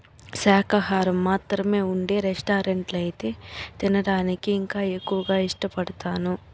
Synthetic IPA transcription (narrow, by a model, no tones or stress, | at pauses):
saːkʰɐɦaːɾɐmːaːt̪ɾɐme̞ːuɳɖeːɾesʈaːɾeɳʈlɐjit̪e̞ːt̪inɐɽaːnikiːŋkaːe̞kːuʋɐɡaːiʂʈɐpɐɽɐt̪aːnu